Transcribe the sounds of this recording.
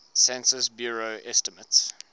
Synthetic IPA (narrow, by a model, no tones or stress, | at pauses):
sɛ̃nsəsbjuːɹoʔɛstəməts